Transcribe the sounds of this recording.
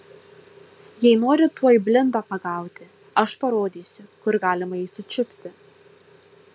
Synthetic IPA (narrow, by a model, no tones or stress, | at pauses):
jɛɪnoːɾʲɪt̪uɔjɪbʲlʲɪnd̪oːpɐɡɑˑʊt̪ʲɪ | ɐʃpɐɾoːd̪ʲiːsʲʊkʊɾɡɑːlʲɪmɐiːsʊt͡ʃʲʊpʲt̪ʲɪ